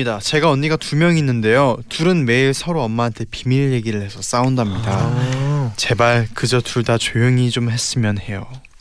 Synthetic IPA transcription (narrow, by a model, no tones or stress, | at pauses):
idat͡ɕe̞ɡaʌɲːiɡatumjʌŋinːɯnde̞jotuɾɯnme̞iɭsʰʌɾoʌmːaɦantʰe̞pimiɭje̞ɡiɾɯɭhe̞sʰʌs͈aundamɲida | t͡ɕe̞baɭkɯd͡ʑʌtuɭdat͡ɕojɯŋit͡ɕomhe̞s͈ɯmjʌnhe̞jo